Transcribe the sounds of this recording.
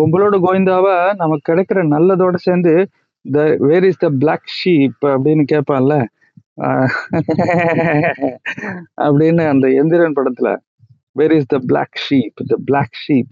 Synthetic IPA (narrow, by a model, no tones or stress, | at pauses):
ʊmbɐloːɽɐɡoːjɪnd̪aːʋaːnɐmːɐkːɪɽɐkːɪɾɐnɐlːɐðoːɽɐseːnd̪ɯ | d̪ɐʋeːɾɪsd̪ɐblaːkʂiːpɐpːɐɽɪnːɯkeːʈ̚pãːŋlɐ | ʔɐ̰pːɐɽɪnːɯɐnd̪ɐɛnd̪ɪɾɐnpɐɽɐt̪ːɪlɐ̰ | ʋeːɾɪsd̪ɐbla̰ːkʂiːpd̪ɐblaːkʂiːp